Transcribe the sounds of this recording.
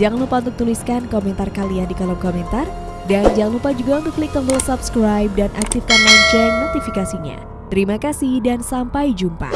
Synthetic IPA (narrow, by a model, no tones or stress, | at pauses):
d͡ʒaŋlupaunt̪ʊk̚t̪uliskankomɛnt̪arkaliandikalɔmkomɛnt̪ar | dand͡ʒaŋlupad͡ʒuɡaunt̪ʊklik̚t̪ɔŋt̪ɔsapskɾajp̚danʔak̚t̪ifkanlaɲt͡ʃʊrnot̪ifikasiɲa̰ | t̪əɾimakasihdansampajd͡ʒumpa̰